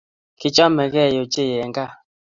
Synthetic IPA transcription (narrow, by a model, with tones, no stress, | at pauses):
ki˨t͡ʃɔ˦mɛ˨kɛ˦˨jo˨t͡ʃe˦˨jɛ˨ŋɡa˦˨